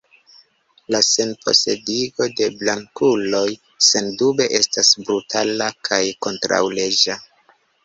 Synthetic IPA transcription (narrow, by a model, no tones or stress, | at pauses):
lase̞npʰo̞̰sediɡo̞de̞blaŋkulo̞j | se̞ndube̞ʔe̞stasbɾutʰalakʰajko̞ntɾa̰wle̞d͡ʒa